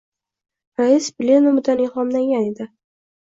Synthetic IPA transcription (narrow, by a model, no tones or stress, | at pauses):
ɾaɪsbʲlʲenomɪd̪anɪχɒmlaŋɡʲaned̪ɪ